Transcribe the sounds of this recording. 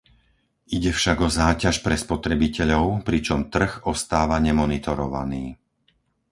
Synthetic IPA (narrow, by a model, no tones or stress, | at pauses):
iɟɛfʃaɡɔzaːcaʃpɾɛspɔt̪ɾɛbicɛʎɔʊpɾit͡ʃɔmt̪r̩ɣɔst̪aːʋaɲɛmɔnit̪ɔɾɔ̰ʋa̰niː